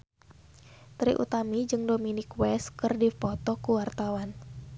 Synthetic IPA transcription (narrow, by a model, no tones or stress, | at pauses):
t̪ɾḭʔṵt̪amid͡ʒɨŋdominɪkwɛskɨrdipɔt̪ɔkuwart̪awan